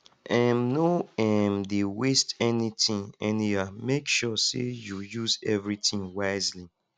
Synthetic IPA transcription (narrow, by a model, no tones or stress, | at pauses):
ʔãmnoɛmdewestɛnitĩŋɛniamekʃɔsḛjujuzɛvɹitĩŋwaɪzli